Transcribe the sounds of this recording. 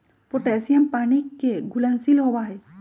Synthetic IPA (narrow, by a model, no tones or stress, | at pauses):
pɾoʈeːsijəmpaːnikeɡʊlənsilɦowaɦɛː